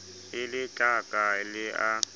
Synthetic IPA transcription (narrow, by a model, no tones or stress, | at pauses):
ɪlɪt͡ɬʼakʼalɪʔa